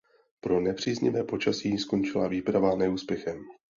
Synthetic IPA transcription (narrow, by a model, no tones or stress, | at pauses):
pɾo̞nɛpr̥iːzɲɪvɛːpo̞t͡ʃasiːsko̞nt͡ʃɪlaviːpɾavanɛuːspjɛxɛm